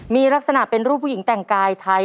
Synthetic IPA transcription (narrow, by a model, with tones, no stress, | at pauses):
miː˧ɾa˦˥k̚sa˧na˨˩ʔpe˧nɾuː˥˩p̚ʰːuː˥˩ji˩˦ŋt̪ɛ˨˩ŋkaː˧jt̪ʰa˧j